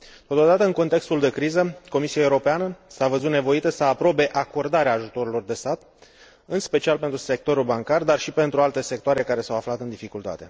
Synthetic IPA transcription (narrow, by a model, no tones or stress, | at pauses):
t̪o̞t̪o̞d̪at̪əɨŋko̞nt̪e̞kst̪uld̪e̞kɾizəko̞misiaeuɾo̞peanəsavəzut̪ne̞vo̞it̪əsəːpɾo̞be̞ʔako̞rd̪aɾeaːʒut̪o̞ɾilo̞rd̪e̞st̪at̪ | ɨnspe̞t͡ʃialpe̞nt̪ɾuse̞k̚t̪o̞ɾulbaŋkard̪arʃipe̞nt̪ɾualt̪e̞se̞k̚t̪oaɾe̞kaɾe̞sawaflat̪ɨnd̪ifikult̪a̰t̪e̞